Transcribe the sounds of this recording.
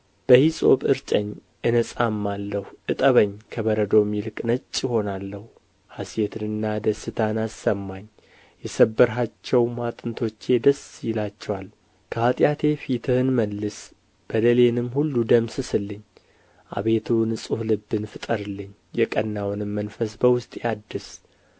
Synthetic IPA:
b̥əhisʼo̞̰βɨɾt͡ʃʼəɲ | ʔɨnəsʼamːalːəhuʔɨt̪ʼəβəɲkʰəβəɾəd̪o̞milkʼnət͡ʃʼːjɪho̞nalːəhu | hasjet̪ʰɨnɨnːad̪əsɨt̪ʰanasːəmːaɲ | jɛsəbːəɾɦat͡ʃːɛwmat̪ʼɨnt̪ʰo̞t͡ʃːe̞d̪əsjɪlat͡ʃːɛwal | kʰəhat̪ʼjat̪ʰe̞fit̪ʰɨhɨnməlːɨs | b̥əd̪əlenɨmhulːud̪əmsɨsɨlːɨɲ | ʔa̰βe̞t̪ʰunɨsʼuhlɨbːɨnfɨt̪ʼəɾɨlːɨɲ | jɛkʼənːawnɨmːənfəsbəwʊst̪ʼjad̪ːɨs

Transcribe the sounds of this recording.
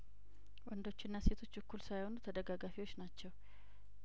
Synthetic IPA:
wɔnd̪o̞t͡ʃːɪnːase̞t̪ʰo̞t͡ʃːbɨkʰːulsajho̞nut̪ʰəd̪əɡaɡafiwo̞t͡ʃːnat͡ʃːɛw

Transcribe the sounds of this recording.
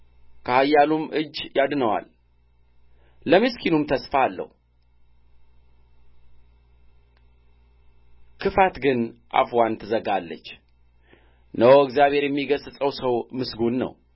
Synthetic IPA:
kʰəhajːalumʔɨd͡ʒːjad̪nəwa̰l | əmɨskʰinumt̪ʰəsfaːlːə̰hu | kʰɨfat̪ɡɨnʔa̰fwant̪ʰɨzəɡalːə̰t͡ʃː | nəwoəkzijaβhe̞ɾjɛmːiɡəzsʼəwsəwmɨsɡunːə̰w

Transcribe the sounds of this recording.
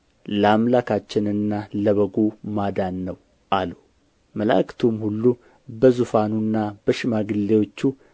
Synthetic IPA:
ləamlakʰat͡ʃːɪnɨnːaləβəɡomad̪anːəw | ʔalu | məla̰kʰt̪ʰomhulːu | bəzufanunːabəʃɪmaɡɨlːewo̞t͡ʃːu

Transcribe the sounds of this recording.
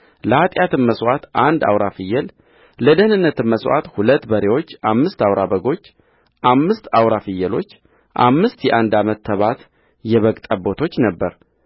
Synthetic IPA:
ləhat̪ʼjat̪ɨmməswat̪ʔand̪a̰wɾafɨjːəl | ləd̪əhnɨnːət̪ʰɨnmːəswa̰t̪hulət̪ːbəɾewo̞t͡ʃːʔamːɨst̪awɾabəɡo̞t͡ʃː | ʔamːɨst̪awɾafɨjːɛlo̞t͡ʃː | ʔa̰mːɨst̪jɛʔand̪amət̪ʰːəβat̪ | jɛβəkʼt̪ʼəbo̞t̪ʰo̞t͡ʃːnəbːəɾ

